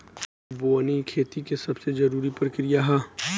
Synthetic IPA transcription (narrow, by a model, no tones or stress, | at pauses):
boːnikʰeːt̪ikesɐbsed͡ʒɐɾuːɾipəɾkɾijaɦɛː